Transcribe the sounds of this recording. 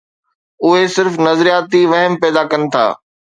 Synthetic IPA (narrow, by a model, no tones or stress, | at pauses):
ʊɦesɪɾfnɐzɾijaːt̪iʋɐɦəmpɛːd̪akɐnɪ̆t̪ʰa̰ː